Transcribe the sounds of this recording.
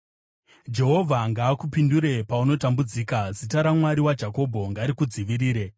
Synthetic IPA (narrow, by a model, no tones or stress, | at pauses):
d͡ʒe̞ɦo̞vʱaŋɡaːkupinduɾe̞pauno̞tambud͡ziːkazitaɾamwaɾiwad͡ʒako̞bʱo̞ŋɡaɾikud͡ziʋiɾiːɾe̞